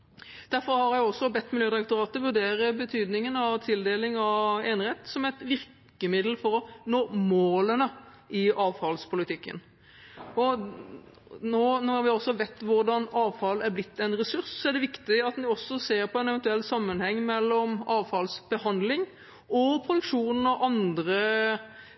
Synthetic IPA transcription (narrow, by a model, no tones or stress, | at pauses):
d̪̥æɾfɔɾhɑɾjæɪɔsːɔbɛt̪ːmɪljøːd̪ɪɾɛkt̪ʊɾɑːt̪əʋʉɾd̪eːɾəbət̪ʰyːd̪nɪŋənɑʋt̪ʰɪld̪eːlɪŋɑʋeːnhɛt̪sɔmæt̪ʋɪɾk | əmɪd̪l̩fɔɾɔnoːmoːlənə | ʔɪʔɑːʋfɑlspʰʊlɪt̪ʰɪkːə̰n | ɔ | noːnoːhɑɾʋɪɔsːɔʋɛt̪ːʋʊɾɖɑnɑːʋfɑlæɾblɪt̪ːɛnɾɛsʉɾssɔæɖɛʋɪkt̪ɪɑt̪nɪɔsːɔseːɾpʰɔɛnɛʋɛnt̪ʉɛlːsɑmːənhɛŋːmɛlːɔmɑːʋfɑlsbəhɑnd̪lɪŋ | ʔɔpʰɾʊd̪ʉkʂuːnən̩ɑʋɑnd̪ɾə